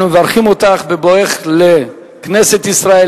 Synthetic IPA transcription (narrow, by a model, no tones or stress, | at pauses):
nuvaʁχimot̪aχbeboeχle | kneset̪isʁae